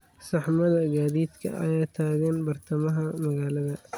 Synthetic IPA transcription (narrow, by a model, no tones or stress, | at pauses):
sɐħmɐðɐɡaːðiːd̪kʰɐ̰ʔɐ̰jaːt̪ʰaːɣɛnbɐrt̪ʰɐmɐɦɐmɐɣaːlɐðɐ